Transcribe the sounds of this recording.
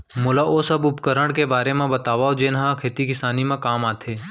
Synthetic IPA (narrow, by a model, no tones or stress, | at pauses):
mʊlaʔoːsɐbʊpkəɾəɽ̃kebaːɾemẽbət̪aːʋaːod͡ʒeːnɦãkʰeːt̪ikɪsaːnimẽkaːmaːt̪ʰeː